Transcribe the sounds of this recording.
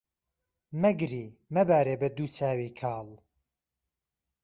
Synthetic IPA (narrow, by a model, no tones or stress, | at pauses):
mɐɡɾiːmɐbaːɾeːbɐd̪uːt͡saːwiːkʰaːlˠ